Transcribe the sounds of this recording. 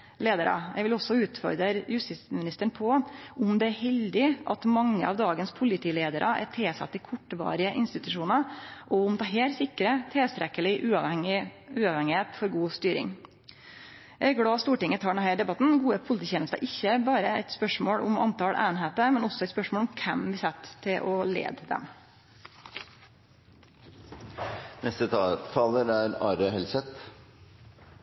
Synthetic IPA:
leːd̪əɾɑ̰jɛ̰ɪɡʋɪlɔsːɔʉːt̪fɔ̰ɾd̪ɾəɾjʉst̪ɪsmɪnɪst̪əɳpʰɔʊmd̪ɛæɾhɛld̪ɪʔɑt̪mɑŋːəɑ̰ːʋd̪ɑːɡənspʰʊlɪt̪ʰiːleːd̪əɾʔɑʔæ̰ʈʰeːsɑ̰t̪ːɪkʰɔʈːʋɑ̰ːɾɪəʔɪnst̪ɪt̪ʉʂuːnəɾʔɔʊmt̪ʰɑːɦeːlsɪkːɾət̪ʰɛlst̪ɾɛkəlɪʔʉː | ʉːɑʋhɛŋɪheːt̪fɔɾɡuːst̪yːɾɪ̰ŋ | ʔɛɡɽɑːst̪uːʈɪŋːət̪ʰɑːɖɛnhæɪɖ̪ɛbɑt̪n̩ɡuːəpʰʊlɪt̪iːçeːnəst̪ɑ̰ʔɪçːəbɑːɾəɛ̰ɪt̪spœʂmoːɽʔʊmɑ̰nt̪ʰɑɽʔæ̰ːnɦeːt̪əmɛnɔsɔɛɪt̪spœʂmoːlʊmkʰɛmʋɪsɛt̪ʰːɪlʔɔlḛːd̪d̪ɛ̰m | nɛst̪ət̪ʰɑːləɾæɾɑːɾəhɛlsɛt̪

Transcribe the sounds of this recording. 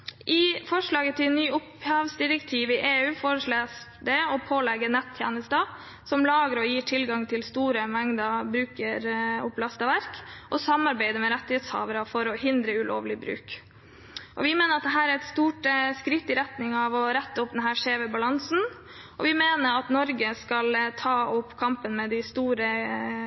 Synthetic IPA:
ʔɪfɔʂɭɑːɡət̪ʰɪlnyːʊphɑʋsd̪ɪɾəkt̪ʰiːʋɪʔeːʉːfoːɾəʂɭeːs | d̪ɛɔpʰoːlɛɡːənɛt̪ʰːjæ̰ːnəst̪ɑ | sɔmlɑːɡəɾɔjiːʈʰɪlɡɑŋt̪ʰɪlst̪uːɾəmɛŋd̪ɑbɾʉːkəɾʊplɑst̪əʋæɾkʔɔsɑmːɑɾbæɪd̪əmɛɾɛt̪ːɪhɛːt̪shɑ̰ːʋəɾəfɔɾɔhɪnd̪ɾəʉlo̰ːʋlɪbɾʉ̰ːk | ʔɔʋɪmeːnəɾɑt̪̚d̪ɛɦæːɾæɾɛt̪st̪uːʈskɾɪt̪ːɪɾɛt̪nɪŋɑʋɔɾɛt̪ːəʊp̚d̪ɛnɦæːɾʂeːʋɛbɑlɑnsn̩ʔɔʋɪmeːnəɾɑt̪nɔɾɡəskɑlt̪ʰɑːʊpːkʰɑmpənmɛd̪ɪst̪uːɾə

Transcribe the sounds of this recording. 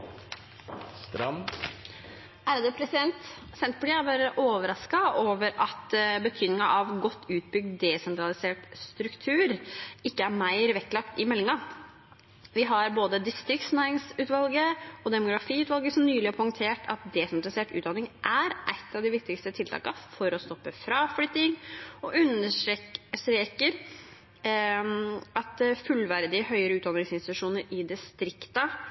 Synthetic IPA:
st̪ɾɑm | æɾd̪əpʰɾɛsɪd̪ɛnt̪ | sɛnt̪̚pʰʈ̪ɪæbɑːɾəʔoːʋəɾɑskɑoːʋəɾɑt̪bət̪ʰyːd̪nɪŋɑʔɑʋɡɔt̪ːʉːt̪̚bʏɡ̚d̪d̪ɛsɛnt̪ʰɾɑlɪseːʈst̪ɾʉkt̪ʰʉːɾɪkːəæɾmæɪɾʋɛkːlɑkt̪ɪmɛlːɪŋɑ | ʋɪɦɑɾboːd̪əd̪ɪst̪ɾɪkt̪snæɾɪŋsʉːt̪ʋɑlɡəɔd̪ɛmʊɡɾɑfiːʉːt̪ʋɑlɡəsɔmnyːlɪæpʰɔɪŋt̪ʰeːʈʰɑ̰t̪̚d̪eːsɛnt̪ɾɪseːʈʉːt̪d̪ɑnɪŋʔæɾʔæɪt̪ːɑʋd̪ɪʋɪk̚t̪ɪkst̪ət̪ʰɪlt̪ʰɑ̰ːkɑfɔɾɔst̪ɔpːəfɾɑflʏt̪ːɪŋɔʔʉnəʂʂʈɾeːkəɾ | ʔɑt̪fʉlʋæɾd̪ɪəɦœʏəɾəʉːt̪d̪ɑnɾɪŋsɪnst̪ɪt̪ʉ̥ʂuːnəɾɪd̪ɪst̪ɾɪkt̪ə

